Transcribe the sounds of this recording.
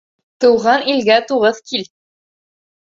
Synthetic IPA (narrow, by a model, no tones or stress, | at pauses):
t̪ɤ̆wʁɑnilɡæt̪uʁɤðkʰil